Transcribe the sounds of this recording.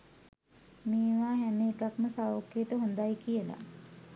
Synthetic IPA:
meːʋaːɦæmeːkakməsaʋokːeʈəɦond̪ajkiəla̰

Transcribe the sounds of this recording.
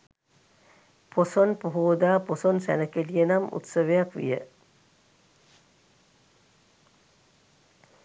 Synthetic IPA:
pʰosonpuɦuʋd̪aːposonsæ̰nəkelijenamṵt̪sɐʋejakʋḭjə̰

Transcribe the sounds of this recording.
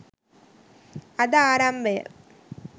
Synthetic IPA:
ɐðaːɾambɐjɐ̰

